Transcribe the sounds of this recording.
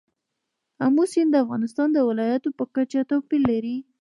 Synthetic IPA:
amusind̪əafɣɑnɪst̪ɑnd̪əwɪlɑjat̪opəkat͡ʃat̪awpilːaɾi

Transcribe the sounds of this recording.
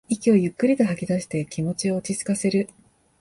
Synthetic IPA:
ikʲio̞jɯ̟kːɯ̟ɾʲit̪o̞ɦakʲid̪aɕi̥t̪e̞kʲimo̞t͡ɕio̞ːt͡ɕit͡sɨ̥kase̞ɾɯ̟

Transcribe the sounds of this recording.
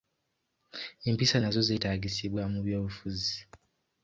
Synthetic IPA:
eːmpisanazo̞zetaːɡisiβwamuβjo̞ːβufuzi

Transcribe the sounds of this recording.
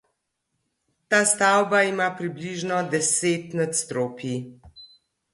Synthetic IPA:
t̪aːst̪awbaimaːpɾibliʒnɔd̪ɛseːt̪nat̪st̪ɾoːpi

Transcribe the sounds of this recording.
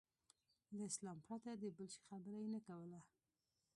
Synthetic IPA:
ləɪslɑmpɾat̪ad̪əbəlʃe̥xabəɾajenakawəla

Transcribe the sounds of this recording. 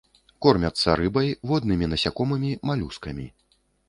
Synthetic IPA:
kɔrmʲɐt̪sːɐ̰ɾɨbɐjvɔd̪nɨmʲinɐsʲakɔmɨmʲimalʲuskɐmʲḭ

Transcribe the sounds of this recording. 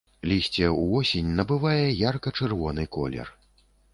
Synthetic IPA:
lʲisʲt͡sʲɛuɔsʲenʲnɐbɨvajɛjarkɐt͡ʂɛrvɔnɨkɔ̰lʲɛ̰r

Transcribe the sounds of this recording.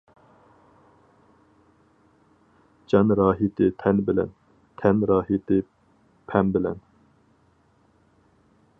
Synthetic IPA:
d͡ʒɑnɾɑːɦit̪ʰɪt̪ʰɛnbɪlɛ̰n | t̪ʰɛnɾɑːɦit̪ʰɪ | pʰɛmbɪlɛ̰n

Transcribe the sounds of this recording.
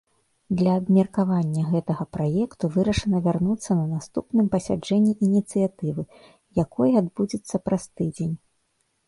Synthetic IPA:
d̪lʲɐːbmʲɐrkavanʲːɐɣɛt̪ɐɣɐpɾajɛkt̪uvɨɾɐʂɨnɐvʲarnut̪sːɐnɐnast̪upnɨmpɐsʲad͡ʐɛnʲːiʔinʲit̪sɨjat̪ɨvɨ | jakʰɔjad̪bud͡zʲit̪sːɐpɾast̪ɨd͡zʲenʲ

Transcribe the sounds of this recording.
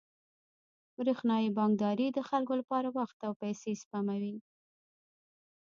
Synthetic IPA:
bɾexnɑjibɑŋɡd̪ɑɾid̪əxalkolapɑɾawaxt̪awpajsespamawi

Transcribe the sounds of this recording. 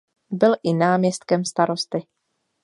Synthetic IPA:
bɪlʔɪnaːmɲɛst̪kɛmst̪aɾo̞st̪ɪ

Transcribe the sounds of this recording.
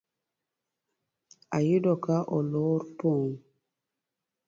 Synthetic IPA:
ajidɔkaʔɔloɾpon

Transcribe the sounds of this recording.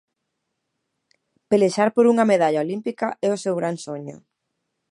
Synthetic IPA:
peleʃaɾpoɾuŋɐmeðaʎaolimpikaʔɛʊsewɣɾansoɲʊ̰

